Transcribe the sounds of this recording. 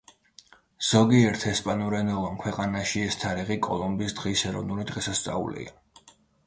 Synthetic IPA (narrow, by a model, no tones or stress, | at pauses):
z̥ɔɡiɛɾt̪ʰɛspʼanuɾɛnɛlˠɔmkʰwɛqʼanaʃiɛst̪ʰaɾiʁikʼɔlˠɔmbiːsd̪ʁisɛɾɔvnulid̪ʁɛsast̪sʼa̰ṵlḭa̰